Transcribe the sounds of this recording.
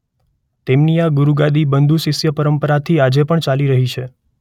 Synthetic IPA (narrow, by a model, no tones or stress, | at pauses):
t̪emniaɡuɾuɡad̪ibənd̪ʱusɪsjəpəɾəmpəɾat̪ʰiad͡ʒepəɳt͡ʃaliɾəɦit͡ʃʰe